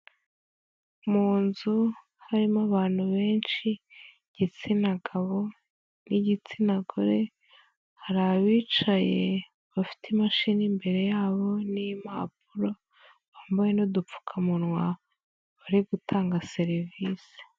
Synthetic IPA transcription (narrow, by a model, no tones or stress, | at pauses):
muːnzu | haɾimaβaːn̥huβe̞ːnt͡ʃi | ɟ̥it͡sinaɡaβo̞ | niɟit͡sinaɡoɾe̞ | haɾaβiːt͡ʃaje̞ | βafi̥tʰimaʃiːnimbe̞ɾe̞jaːβo̞nijmaːp̚uɾo̞ | βaːmbaje̞nodup͡fu̥kʰamunŋwa | βaɾiɡutʰaːŋɡase̞ɾivisi̥